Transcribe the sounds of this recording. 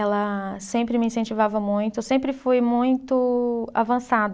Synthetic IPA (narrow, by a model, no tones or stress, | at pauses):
ɛlɐsẽmpɾɪmɪĩsẽnt͡ʃivavɐmũj̃t̪ʊsẽmpɾɪfujmũj̃t̪ʊa̰vɐ̃sad̪